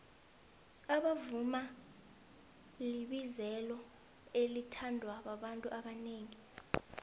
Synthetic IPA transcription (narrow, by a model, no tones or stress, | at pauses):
aɓavuma | liɓizɛlɔ | elitʰandʱwaɓaɓantʼuʔaɓaneːŋi